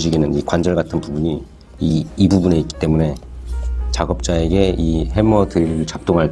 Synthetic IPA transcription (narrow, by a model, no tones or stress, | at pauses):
ɕiɡinɯnikwand͡ʑʌɭɡatʰɯnpubuɲi | iːbubune̞it̚k͈i̥t͈e̞mune̞ | t͡ɕaɡʌp̚t͡ɕ͈ae̞ɡe̞iɦe̞mʌdɯɾit͡ɕap̚t͈oŋɦaɭ